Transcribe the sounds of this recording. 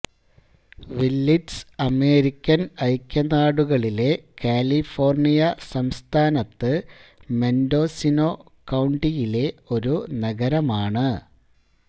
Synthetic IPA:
ʋilːiʈsɐme̞ːɾikʲːɐnɐjkʲːɐnaːɽuɣɐɭile̞kaːlifo̞ːrnijɐsɐmst̪ʰaːnɐt̪ːɨme̞ndo̞ːsino̞ː | kɐwɳɖijile̞o̞ɾunɐɣɐɾɐmaːɳɨ

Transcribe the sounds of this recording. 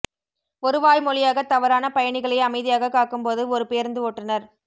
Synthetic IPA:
ɔɾɯʋaːjmɔlɪjaːɣɐt̪ɐʋɐɾaːnɐpɐjɐɳɪɣɐɭɐɪɐmɐɪðɪjaːɣɐkːaːkɯmpoːðɯɔɾɯpeːɐɾnd̪ɯoːʈrɐnɐɾ

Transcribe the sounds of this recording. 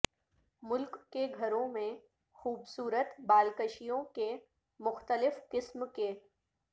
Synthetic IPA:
mʊlkːeɡʱɐɾõmẽ | xuːbsuːɾət̪baːlkəʃijõke | mʊxt̪əlɪfkɪsmkeː

